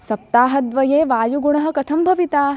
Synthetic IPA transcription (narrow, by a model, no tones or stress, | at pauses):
sɐp̚t̪aːɦɐd̪ʋɐjeːʋaːjuɡuɳɐɦɐ̆kɐt̪ʰɐmbʱɐʋit̪aː